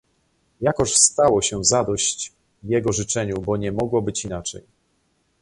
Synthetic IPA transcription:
jakɔʂst̪awɔɕɛzad̪ɔɕt͡ɕ | jɛɡɔʐɘt͡ʂɛɲubɔɲɛmɔɡwɔbɘt͡ɕinat͡ʂɛ̰j

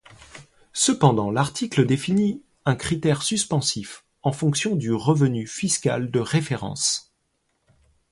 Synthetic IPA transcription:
səpɑ̃d̪ɑ̃laʁt̪ikləd̪efini | ɛ̃kχit̪ɛʁsyspɑ̃sif | ɑ̃fɔ̃ksjɔ̃d̪yʁəvənyfiskʲa̰ld̪əʁefeʁɑ̰̃s

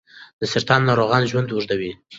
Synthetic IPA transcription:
d̪̥əsɪɾt̪ɑnːɑɾoɣɑnʒwand̪wuʐd̪awi

